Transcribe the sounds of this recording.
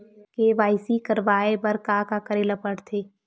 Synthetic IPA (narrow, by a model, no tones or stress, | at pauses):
keʋaːɪsikɐɾʋaːebɐɾkaːkakɐɾeːlapəɽt̪ʰeː